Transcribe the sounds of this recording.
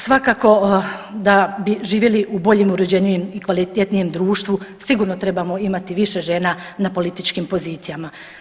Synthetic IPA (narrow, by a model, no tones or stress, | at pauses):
sʋakaːko̞d̪abiʒiːʋjeliʔubo̞ʎeːmuɾed͡ʑeɲujemikʋalit̪et̪nije̞md̪ɾuːʃt̪ʋusiɡuːɾnot̪ɾe̞bamo̞imat̪iʋiʃe̞ʒe̞ːnanapo̞lit̪it͡ʃkimpo̞ziːt̪sijama